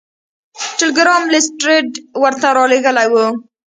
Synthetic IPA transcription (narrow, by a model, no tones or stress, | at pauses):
ʈɪlɪɡɾɑmlɪsʈɾɪʈwəɾt̪aɾɑleɣəlajwu